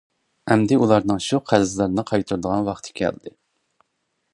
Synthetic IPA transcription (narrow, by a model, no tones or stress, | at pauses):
ɛmd̪ɪulˠɑɾnɨŋʃuqʰæzzlˠɑɾnɨqʰɑjt̪ʰuɾɨd̪əʁɑnwɑχt̪ʰɨ̥kʲʰɛ̰ld̪ɪ